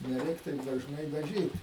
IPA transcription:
nʲɛˈrʲɛɪk tɐɪp dɐʒˈnɐɪ dɐˈʒʲiːt

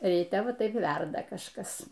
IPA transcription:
rʲiːˈtʲɛ ˈʋɐ ˈtɐɪp ˈʋʲɛrdɐ kɐʃˈkɐs

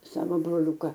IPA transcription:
ˈsɑːʋoː broːˈlʲuːkɐ

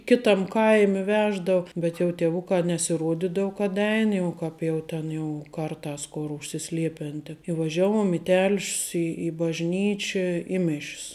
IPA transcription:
ˈkʲɪtɐm ˈkɐɪmʲɪ ˈʋʲæːʒdɐʊ ˈbʲɛt jɛʊ tʲiɛˈʋʊkɑː nʲɛsʲɪˈruɔdʲiːdɐʊ kɐt ˈɛɪn jɛʊ ˈkɐp jɛʊ ˈtʲɛn jɛʊ ˈkɐrˌtɑːs ˈkoːr ʊʃʲsʲɪˈsʲlʲiɛpʲɛn tʲɛn ɪ ʋɐˈʒʲæːˌʋuɔm ɪ tʲɛlʲʃʲs ɪ bɐʒʲˈnʲiːt͡ʃʲɛ ɪ mʲɪʃʲs

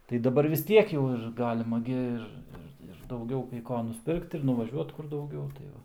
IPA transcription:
tɐɪ dɐˈbɐr ʋʲɪs ˈtʲiɛk jɛʊ ɪr ˈɡɑːlʲɪmɐ ɡʲɪ ˈɪr ˈɪr ɪr dɐʊˈɡʲɛʊ kɐɪ ˈkoː nʊsʲˈpʲɪrkt ɪr nʊʋɐˈʒʲuɔt ˈkʊr dɐʊˈɡʲɛʊ tɐɪ ˈʋɐ

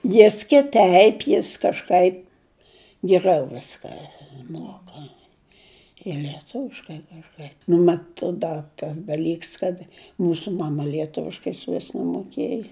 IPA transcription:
ˈjɪs kʲɪˈtʲɛɪp ˈjɪs kɐʃˈkɐɪp ɡʲɪˈrɐʊ ˈʋʲɪskɐ ˈmuɔkɐ ɪr lʲiɛˈtʊʋʲɪʃkɐɪ kɐʃˈkɐɪp nʊ ˈmɐt ˈdɐ tɐs dɐˈlʲiːks kɐt ˈmuːsʊ ˈmɑːmɐ lʲiɛˈtʊʋʲɪʃkɐɪ ɪʃʲˈʋʲɪs nʲɛmoːˈkʲeːjɛ

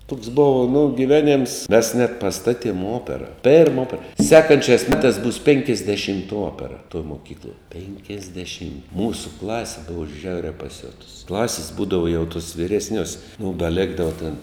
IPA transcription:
tʊks ˈboːʋɐ nʊ ɡʲɪˈʋʲæːˌnʲeːms mʲɛs nʲɛt pɐˈstɑːˌtʲiɛm ˈoːpʲɛrɐ pʲɛrm ˈoːpʲɛrɐ ˈsʲæːkɐnʲt͡ʃʲæːs ˈmʲæːtɑːs bʊs pʲɪŋʲkʲɛzʲdʲɛˈʃʲɪmtɐ ˈoːpʲɛrɐ toːj moːˈkʲiːklˠoːj pʲɛŋʲkʲɛzʲdʲɛˈʃʲɪm ˈmuːsʊ ˈklˠɑːsʲɪ ˈbʊʋoː ˈʒʲɛʊrʲæː pɐˈsʲoːtʊs ˈklˠɑːsʲɪs ˈbuːdɐʋoː jɛʊ tʊs ʋʲiːrʲɛsʲˈnʲuɔs mʊm dɐ ˈlʲeːɡdɐʋɐ tʲɪn

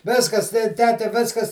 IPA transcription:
ˈʋʲɪskɐs tʲɛ ˈtʲæːtʲɛ ˈʋʲɪskɐs

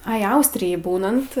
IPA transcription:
ˈɐɪ ˈɐʊsʲtʲrʲɪjɛj ˈbuːnɐnt

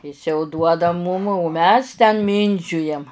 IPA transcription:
ˈɪs jɛʊ ˈduɔdɐ muːm oː ˈmʲɛs tʲɛn ˈmʲiːnʲd͡ʒʲʊjɛm

